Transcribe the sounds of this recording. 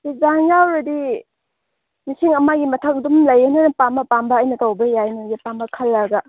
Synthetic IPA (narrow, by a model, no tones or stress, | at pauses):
dizaŋjawɾɐdi | nisiŋɐmaɡimɐtʰɐk̚dumlɐjenɐnɐpambɐpambɐːjnɐtowbɐjajnujepambɐkʰɐlːɐɡɐ